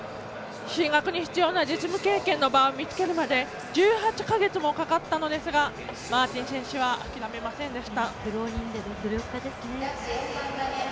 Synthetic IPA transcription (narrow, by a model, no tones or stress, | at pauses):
ɕĩŋɡakɯ̟ɲ̟içi̥t͡sɨjo̞ːnad͡ʑit͡sɨmɯ̟ke̞ːkẽnːo̞baomʲit͡sɨ̥ke̞ɾɯ̟mad̪e̞ | d͡ʑɨːɦat͡ɕi̥kaɡe̞t͡sɨmo̞kakat̪ːano̞d̪e̞sɨɡa | maːt͡ɕĩɰ̃sẽ̞ɰ̃ɕiβaa̰kʲiɾame̞masẽ̞nd̪e̞ɕi̥t̪akɯ̟ɾoːɲʲĩnd̪ed̪od̪oɾʲjokːad̪e̞sɨne